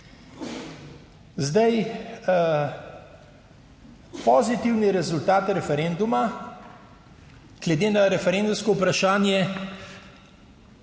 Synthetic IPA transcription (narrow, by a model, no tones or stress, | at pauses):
zd̪aj | pɔzit̪iwniɾɛzult̪aːt̪ɾɛfɛɾɛnd̪uma | ɡ̥lɛd̪eːnaɾɛfɛɾɛnd̪umskɔupɾaʃaːnjɛ